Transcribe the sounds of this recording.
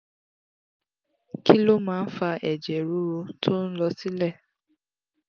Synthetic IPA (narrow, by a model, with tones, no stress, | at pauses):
ki˦lo˦mãː˦˧n̩˦fa˧ʔɛ˨d͡ʒɛ˨ɾu˨˦ɾo˧tʰo˦n̩˦lɔ˧si˦lɛ˦˨